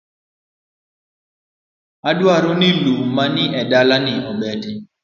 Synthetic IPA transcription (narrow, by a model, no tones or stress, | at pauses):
adwaɾonɪlumanɪʔɛdalanɪʔɔbɛdɪ